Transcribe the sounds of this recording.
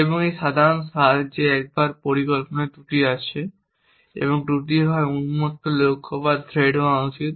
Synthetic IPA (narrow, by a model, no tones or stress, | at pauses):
eboŋejʃad̪ʱaɾonsald͡ʑeɛk̚baɾpoɾikolponat̪uʈiat͡ɕʰe | ḛboŋɖɾuʈ̪ibʱaeunumot̪ːolokʰːobad̪ʱɾeɖoawt͡ɕit̪